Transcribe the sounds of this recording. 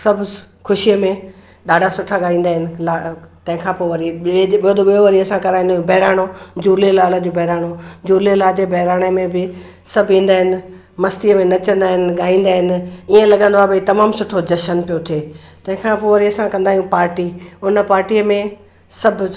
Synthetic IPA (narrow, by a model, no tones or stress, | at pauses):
sɐbʱ | kʰʊʃiəmẽ | ɗaːɖʱasʊʈʰaɡaːɦĩːn̆d̪aːɦɪnɪ̆lat̪ɐ̃ɦɪ̃kʰãːpoːʋɐɾiɪeɓɪjod̪oɓijoʋɐɾiɐsãkɐɾaːɦĩnd̪aːɦjũbɛɦɾaːɽ̃od͡ʑuːɾlilaːləd͡ʑobʱɛɦɾaːɽ̃od͡ʑuːɾlilaːd͡ʑeːbɐɦɾaːɽ̃əmẽbɪ | sɐbʱĩːn̆d̪aːɦɪnɪ̆ | mɐst̪iəmẽnɐt͡ɕə̃nd̪aːɦɪnɪ̆ɡaːɦĩːn̆d̪aːɦɪnɪ̆iə̃lɐɠə̃nd̪oaːbɪiːt̪ɐmaːmsʊʈʰod͡ʑɐʃənpijot̪ʰieːt̪ɐ̃ɦɪ̃kʰãpoːʋɐɾiɐsãkɐ̃nd̪aːijũpaːɾʈiʊnəpaːɾʈiəmẽ | sɐbʱ